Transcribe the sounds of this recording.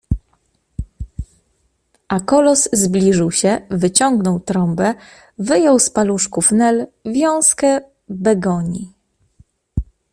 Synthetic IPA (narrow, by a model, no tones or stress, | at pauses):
ʔakɔlɔzːblʲiʐɘwɕɛvɘt͡ɕɔŋɡnɔwt̪ɾɔmbɛ | vɘjɔwspaluʂkufnɛlvʲjɔ̃w̃skɛ | bɛɡɔɲi